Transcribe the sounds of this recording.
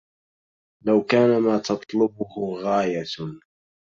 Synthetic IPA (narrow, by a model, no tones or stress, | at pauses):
lawkaːnamaːt̪ɑt̪ˤlʊbʊhʊɣaːja